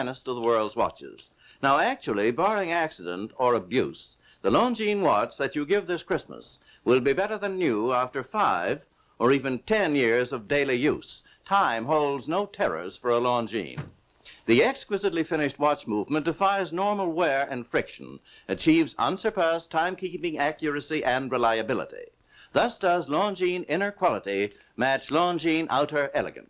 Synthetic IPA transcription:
nəstʌðəwɜ˞lˠdzwɑ̰t͡ʃɪ̰z̥ | naʊæk̚t͡ʃul̩ˠibɑɹɪ̃ŋæksɨɾə̰̃ntə˞əbjʉ̰s | ðəlɔ̃nd͡ʒĩnwɑt͡ʃðɨt͡ʃɨɡɪvðɪskʰɹ̥ɪsmə̰s | wɪlˠbibɛɾə˞ðɨ̃nːjʉæftə˞faɪv | ʔə˞ivɨ̃ntʰɛ̃njɪɹzʌvdeɪlˠijʉ̰s | tʰãɪ̃mɦoʊlˠdznoʊtʰɛɹə̰˞z̥fə˞əlɔ̃nd͡ʒḭ̃n | ðiɛkskwɪzɨtˡlifɪ̃nɨʃt̚wɑt͡ʃmuvmə̃nd̥ɨfaɪznɔɹml̩ˠwɛɹɨ̃nfɹɪkʃɨ̰̃n̩ | ɨt͡ʃʰivzʌ̰̃nsə˞pʰæztʰãɪ̃mkʰipɪ̃ŋækjə˞ɨsiʔɨ̃nɹɨlaɪɨbɪlˠə̰ɾḭ | ðʌsd̥ʌzlɔ̃nd͡ʒĩnɪ̃nə˞kʰw̥ɑlˠəɾi | mæt͡ʃlɔ̃nd͡ʒĩnʔa̰ʊɾə˞ʔɛlˠɨ̰ɡɨ̰̃ns

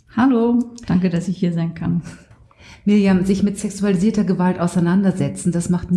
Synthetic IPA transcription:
halod̥aŋkədasɪçhiːɐzaɪnkʰan | miːɐjaːzɪçmɪtsɛksualiziːɐtɐɡəvaltʔaʊsaɪnandɐzɛt͡sn̩dasmaχtn

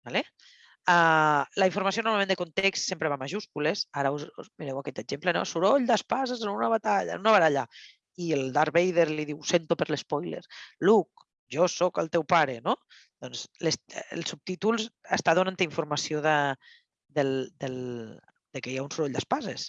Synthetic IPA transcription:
bale | alaiɱfuɾmasionoɾmamẽnd̪əkont̪ekst̪sempɾeβamaʒuskulesaɾəuzuzmiɾewakɛt̪əʒempleno̰suɾoʎd̪aspazezənunaβat̪aʎa̰nunaβat̪aʎa | ield̪aɾβejðeɾliðiwsent̪opəɾlespɔjlḛɾluk̚ | ʒɔsɔkəlˠt̪ɛwpaɾeno | d̪̥ɔnzlesḛlˠsup̚t̪it̪ulˠzə̰st̪aðonant̪əiɱfuɾmasioðə | d̪eld̪el | d̪̥ekejaunsuɾoʎd̪aspazes

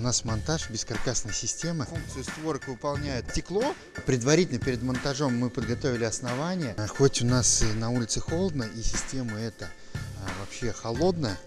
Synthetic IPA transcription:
nasmɐnt̪aʂbʲɪskɐrkasnəjsʲɪsʲtʲe̞məfuŋk̚t̪sɨjʊst̪voɾəkvɨpɐlˠnʲæjɪt̪ʲtʲɪklˠo̞ | pɾʲɪd̪vɐɾʲitʲɪlʲnəpʲɪɾʲɪd̪mɐnt̪ɐʐo̞mːɨpəd̪̚ɡɐt̪o̞vʲɪlʲɪɐsnɐvanʲɪjəxo̞tʲʊnasinɐulʲɪt̪sɨxo̞lˠəd̪nəʔisʲɪsʲtʲe̞məɛt̪ə | vɐpɕːe̞xɐlˠo̞d̪nəjə

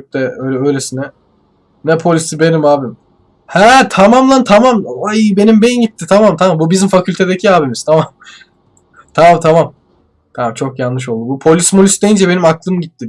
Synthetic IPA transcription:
t̪ɛøjlʲɛøjlʲesinɛ | nɛpʰo̞lʲisibe̞nimaːbim | hɛt̪ʰamamlˠant̪ʰamamajbe̞nimbejimɟit̪ʰːit̪ʰamamt̪ʰamambubizimfacʰylʲt̪ʰe̞d̪ecʰiaːbimiz̥t̪ʰamam | t̪ʰamamt̪ʰamam | t̪ʰamamt͡ʃʰo̞kjanːɯʃ̬o̞lˠd̪ubupʰo̞lʲismolʲisd̪ejind͡ʒɛbe̞nimaklˠɯmɟit̪ːi

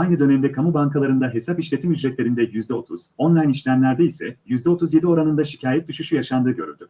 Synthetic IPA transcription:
ajnɯd̪ø̞nemd̪ɛkʰamubaŋkʰalˠaɾɯnd̪aɦe̞sapiʃlʲe̞t̪ʰimjyd͡ʒɾɛt̪lʲe̞ɾind̪ɛjyzd̪ɛo̞t̪ʰuz̥o̞nlˠajniʃlʲæmlʲæɾd̪ɛisɛ̰jyzd̪ɛo̞t̪ʰuzje̞d̪io̞ɾanɯnd̪aʃi̥cʰaːjɛt̪̚d̪yʃyʃyjaʃand̪ɯːɟø̞ɾy̰nʲd̪y

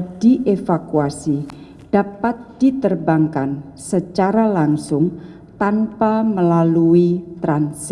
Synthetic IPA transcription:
diʔefakuasi | d̥apat̪̚d̥it̪ərbaŋkansət͡ʃaɾalaŋsʊŋ | t̪anpaməlaluit̪ɾansɪ

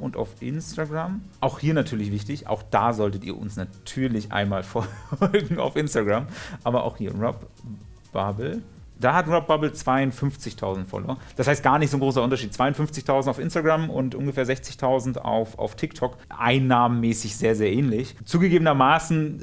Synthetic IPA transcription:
ʔʊnta̰ʊfʔɪ̰nstaɡʁamʔaʊxhiːɐnatʰyːɐlɪçv̥ɪçtɪçʔa̰ʊxd̥aːzɔltətḭːɐʔʊ̰nsnatʰyːɐlɪçʔa̰ɪnmaːlfɔlɡŋ̩a̰ʊfʔɪnstaɡʁamʔaːbɐʔa̰ʊxhiːɐʁɔp | b̥abl̩ | d̥aːhatʁɔp̚b̥abl̩t͡sv̥aɪʊntfʏmft͡sɪçtʰaʊzn̩tfɔ̰lo̰ːɐd̥ashaɪst̚ɡ̥aːɐnɪçtz̥oːnɡʁoːs̬ɐʔʊntɐʃiːt̚t͡sv̥aɪʊnfʏnft͡sɪçtʰaʊzn̩taʊfʔɪ̰nstaɡʁamʔʊ̰ntʔʊnɡəfɛːɐzɛçt͡sɪçtʰaʊzn̩ta̰ʊfa̰ʊftʰɪktʰɔkʔa̰ɪnːaːmənmɛːsɪçz̥eːɐzeːɐʔɛːnlɪçt͡suːɡəɡeːbənɐmaːsn̩

